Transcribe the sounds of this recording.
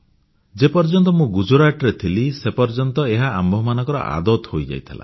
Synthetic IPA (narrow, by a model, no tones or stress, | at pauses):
d͡ʒepɔɾd͡ʒɔnt̪ɔmũɡud͡ʒoɾaʈɔɾet̪ʰilisepɔɾd͡ʒɔnt̪ɔeɦaambʱɔmanɔ̃ŋkɔɾɔ̰ʔa̰d̪ɔt̪hojd͡ʒa̰jt̪ʰila̰